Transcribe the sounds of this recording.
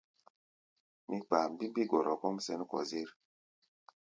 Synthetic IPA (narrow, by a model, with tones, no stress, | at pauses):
mi˦k͡pa˨m˨bi˦mbi˦ɡɔ˨ɾɔ˨kɔ˦msɛ˦n˦kɔ̰˨ze˦ɾ